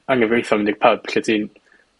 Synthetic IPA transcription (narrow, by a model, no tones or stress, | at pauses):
aŋəvejθɔmɪndɪɡ̥̚pʰəb̥ɬɛdin